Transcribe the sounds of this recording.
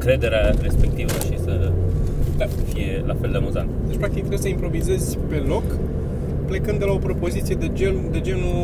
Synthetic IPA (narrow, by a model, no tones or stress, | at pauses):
kɾe̞d̪e̞ɾeaɾe̞spek̚t̪ivə̰ʃisə | t̪afije̞lafeld̪eamuza̰nt̪əd̪et͡ʃʲpɾak̚t̪ik̚t̪ɾejesəimpɾo̞vize̞zʲpe̞lo̞k | ple̞kɨnd̪elao̞pɾo̞po̞zit̪sijed̪ed͡ʒend̪e̞d͡ʒe̞nu